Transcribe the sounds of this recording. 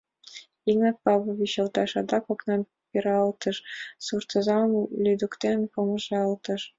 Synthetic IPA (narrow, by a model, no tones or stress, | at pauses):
iŋnɑt̪̚pɑβɤ̆βiɕɤ̆lt̪ɑʃɑd̪ɑkoknɑn | peɾɑlt̪ə̆ʃsurt̪ɤ̆zɑnlʲyd̪ukt̪enpoməʒɑlt̪ə̆ʃ